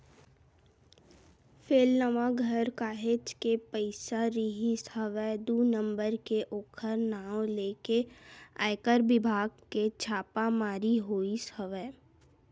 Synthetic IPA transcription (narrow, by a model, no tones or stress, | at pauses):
fʰeːlnəʋaɡʱəɾkaːɦet͡ʃkepəɪsaɾiɦisəʋəd̪uːnə̃mbəɾkeʔoːkʰəɾnaːõleːkea̰ːɪkəɾbɪbʱaːɡket͡ʃʰaːpamaːɾiɦoːisəʋə